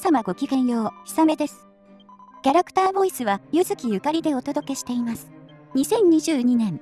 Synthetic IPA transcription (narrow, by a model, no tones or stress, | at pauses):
samaɡo̞kʲiɡẽ̞ɰ̃jo̞ːçi̥same̞d̪e̞sɨ̥ | kʲaɾakɯ̟̥t̪aːbo̞isɨβajɯzɨkʲijɯ̟kaɾʲid̪e̞o̞t̪o̞d̪o̞ke̞ɕi̥t̪e̞imasɨ̥ɲ̟isẽ̞ɲ̟ɲiʑɨːɲ̟inẽ̞ŋ